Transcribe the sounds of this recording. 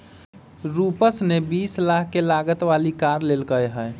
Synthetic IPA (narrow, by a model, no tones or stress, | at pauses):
ɾupəsnebislaɦkelaɡət̪ʋalikaɾlelkəjɦə